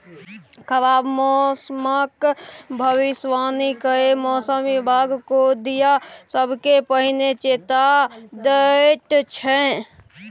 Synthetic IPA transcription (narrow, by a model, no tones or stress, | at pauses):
kʰəbaːbmɔːsməkbʱəʋɪsʋaːnikəemɔːsəmʋɪbʱaːɡkod̪ijasəbʱkepəɦɪnet͡ʃeːt̪ad̪əʈt͡ʃʰɛ̃